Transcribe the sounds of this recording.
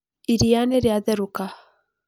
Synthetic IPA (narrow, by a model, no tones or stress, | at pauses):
iɾianɛɾeaðɛɾuka